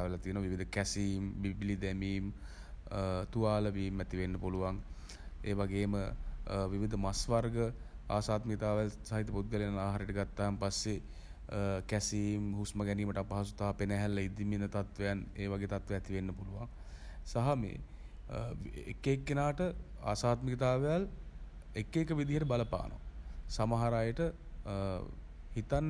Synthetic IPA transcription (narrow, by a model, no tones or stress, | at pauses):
ʋelat̪ijənoʋːʋiʋid̪əkæsiːmbiblid̪æmiːm | t̪uʋaːləʋiːmæt̪iʋenːəpuluʋaŋ | eːʋaɡeːməʋiʋid̪əmasʋarɡə | a̰ːsaːt̪mikit̪aːʋelsaɦit̪ːəput̪̚ɡəlianaːɦaɾeʈəɡat̪ːaːmpasːe | kæsiːmhusməɡɛniːməʈəapaɦasut̪aɦapenɛɦɛlːɐid̪iminət̪at̪ʋejaneːʋaɡeːt̪at̪ʋeɛt̪iʋenːəpuluʋaŋ | saɦamḛː | ḛkːekːenaːʈəa̰ːsaːt̪məkit̪aːʋejal | ekːeːkːəʋid̪iɦəʈəbaləpa̰ːnʔo̰ʋa̰samaɦaɾaːjəʈə | hit̪anː